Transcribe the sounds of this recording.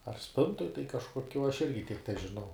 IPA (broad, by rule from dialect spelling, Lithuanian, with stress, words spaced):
ɐr ˈsʲpʲɪntoːj tɐɪ kɐʃkoːˈkʲoː ɐʃ ˈɪrʲɡʲɪ tʲiɛk tʲɛʒʲɪˈnɐʊ